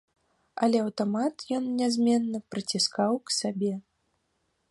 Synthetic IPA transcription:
ɐlʲɛɐwt̪ɔmat̪jɔnnʲɛzʲmʲɛnːɐpɾɨt͡sʲiskawksabʲɛ

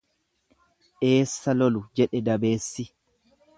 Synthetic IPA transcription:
ʔe̞ːsːɐlɔlʊd͡ʒɛᶑɛd̪ɐbe̞ːsːɪ

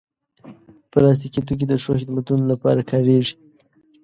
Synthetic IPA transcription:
pəlɑs̬t̪ikit̪̬uk̬ed̪əʂoxɪd̪mat̪unolapɑ̰ɾakʰɑɾeʐi̥

